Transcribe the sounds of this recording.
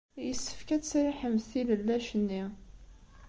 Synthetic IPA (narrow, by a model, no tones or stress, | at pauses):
jəsːə̥fkæt͡sːɾiħəmθiləlːæʃənːi